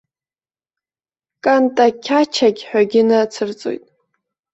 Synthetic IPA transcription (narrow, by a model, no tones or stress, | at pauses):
kʼantʼakʲʰat͡ʃʰaɡʲħʷᶣaɡʲɪnat͡sʰɨrt͡sʼo̰jtʼ